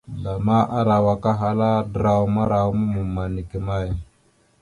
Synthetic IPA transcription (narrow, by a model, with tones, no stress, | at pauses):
la˨ma˦ʔa˦ɾa˨wa˨ka˦ɦa˦la˦də˦ɾa˨wma˦ɾa˨wmu˦mu˨mːa˨ni˨ki˨ma˦˨j